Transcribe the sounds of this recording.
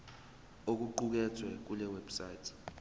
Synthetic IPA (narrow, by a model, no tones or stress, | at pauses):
ok̬uǃuk̬ɛt͡sʰwɛk̬ulɛwɛb̥sajtʰi̥